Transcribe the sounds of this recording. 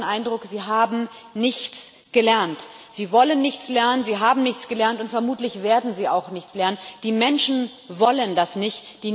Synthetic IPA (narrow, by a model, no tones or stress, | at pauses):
nʔaɪndʁʊkz̥iːɦaːbm̩ | nɪçt͡s | ɡ̥əlɛɐnt | z̥iːvɔlənːɪçt͡slɛɐnənziːɦaːbm̩nɪçt͡sɡ̥əlɛɐntʊntfɛɐmuːtlɪçv̥eːɐdn̩ziːa̰ʊxnɪçt͡slɛɐnənnd̥iːmɛnʃn̩ | vɔləndasnɪçtd̥iː